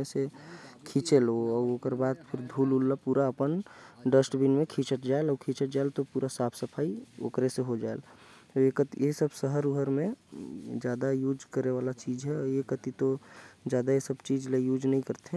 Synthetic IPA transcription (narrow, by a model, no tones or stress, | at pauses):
esekʰĩt͡ʃeloɔːoːkəɾbaːd̪pʰɪɾd̪ʱuːlulːapuːɾaəpənɖəsʈbinmẽkʰĩːt͡ʃəʈd͡ʒaelɔːɾkʰĩːt͡ʃəʈ̚d͡ʒaelt̪opuːɾasaːpʰsəpʰaːio̰ːkɾeseɦod͡ʒaːḛl | t̪ojekət̪ijesəbsəɦəɾuɦəɾmẽ | d͡ʒjaːd̪ajuːd͡ʒkəɾeʋaːlat͡ʃiːd͡ʒɦɛɔjekət̪it̪od͡ʒjaːd̪ajesəbt͡ʃiːd͡ʒlejuːd͡ʒnəɦĩkəɾt̪eɦɛ̃